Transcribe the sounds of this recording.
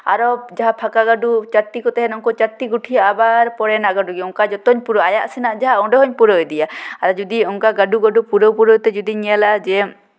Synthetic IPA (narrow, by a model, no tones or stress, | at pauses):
a̰ɾɔd͡ʒaɦapʰakaɡaɖut͡ʃaɾt̪ikɔt̪ɛɦɛnɔŋkɔt͡ʃaɾt̪iɡuʈʰiabaɾpɔɾɛnaɡaɖuɡɛɔŋkad͡ʒɔt̪ɔɲpuɾɔajaʔsinaʔd͡ʒaɦaɔɖɔɦɔɲpuɾɔjd̪ijaaɾɔd͡ʒud̪iɔŋkaɡaɖuɡaɖupuɾɔwpuɾɔjt̪ɛd͡ʒud̪iɲɛlad͡ʒɛ